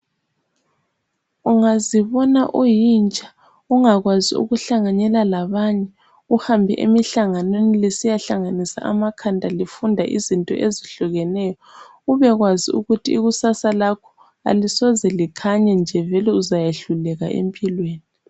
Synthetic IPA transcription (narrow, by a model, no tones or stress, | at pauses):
uŋaziβɔnaʔujint͡ʃʼḁ | uŋaɣwaziṵɣuɬaŋaɲɛlalaβaɲɛ | uhambʱɛʔemiɬaŋanwenilesijaɬaŋanisa̰ʔa̰makʰandʱalifundʱaʔizintʼɔ̰ʔeziɬuɣɛnɛːjɔ | ɣuβɛɣwaziuɣutʰiːɣusasalakʰɔ̥ | a̰lisɔzɛlikʰaɲɛnd͡ʒʱɛvɛlɛuzajeɬulɛɣa̰ʔḛmpʼilweːni